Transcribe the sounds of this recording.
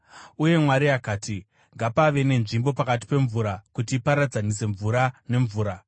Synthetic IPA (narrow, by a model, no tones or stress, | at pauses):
uje̞mwaɾiakaːti | ŋɡapaʋe̞ne̞nʐimbo̞pakat̬i̥pe̞ɱvuɾakutiːpaɾad͡zanise̞ɱvuɾane̞ɱvuːɾa